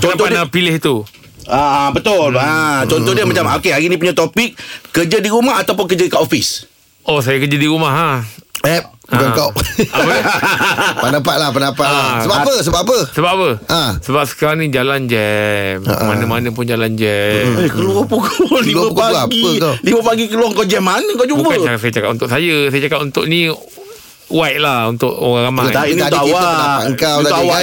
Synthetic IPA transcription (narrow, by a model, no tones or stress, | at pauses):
t͡ʃɔt̪ɔkanapilɪhit̪u | abət̪ʊlat͡ʃɔnt̪ɔhdiəmat͡ʃamokeainĩp̬uɲat̪opɪk̚ːəd͡ʒədiɾumahat̪awp̬ʊnk̬əd͡ʒəikaʔofis | ʔosajakəd͡ʒədiɾumaɦaɛp̚uɡant̪oʔʔapə | pənapat̪̚lahpənapalasəbapəsəbapːapəsəbap̚apəasəbap̚sə̥kaɾaŋnid͡ʒaland͡ʒɛmə̰manəmanə̃p̬ʊnd͡ʒaland͡ʒɛekəluapukʰolilməpukaaɡiəliməpaɡikəluwaŋkaʔd͡ʒɛmːanəŋkawd͡ʒubaaksajət͡ʃakat̚unt̪ʊʔsajəsajət͡ʃakap̚unt̪ʊʔni | wajʔlahunt̪ʊʔoɣãŋɣamat̪aindiaaənaaŋkawawa